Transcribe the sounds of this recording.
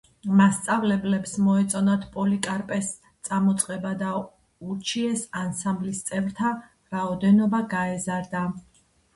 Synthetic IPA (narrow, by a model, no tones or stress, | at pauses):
mast̪sʼavlɛblɛpsmɔɛt̪sʼɔnat̪ʰpʼɔlikʼaɾpʼɛs | t̪sʼamɔt̪sʼqʼɛbad̪a | uɾt͡ʃʰiɛsansamblist̪sʼɛvɾt̪ʰa | ɾaɔd̪ɛnɔbaɡaɛzaɾd̪a